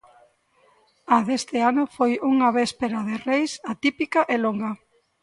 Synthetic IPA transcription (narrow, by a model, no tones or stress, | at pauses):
aðest̪ɪanʊfojuŋɐβespeɾaðerejsat̪ipikɐʔeloŋɡɐ